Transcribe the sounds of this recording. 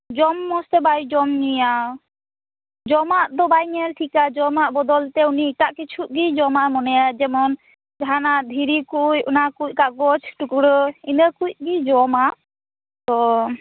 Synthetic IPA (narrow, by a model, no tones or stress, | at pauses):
d͡ʒɔmːɔst̪ɛbajd͡ʒɔmnija | d͡ʒɔmaʔt̪ɔbajŋɛlʈʰikad͡ʒɔmaʔbɔd̪ɔlt̪ɛuniʈaʔkit͡ʃʰuʔɡid͡ʒɔmamɔnɛjad͡ʒɛmɔn | d͡ʒʱanaʔd̪ʱiɾikujunakuc̚kaɡɔt͡ʃʰʈukuɽɔinəkuc̚ɡid͡ʒɔmaʔ | t̪ɔ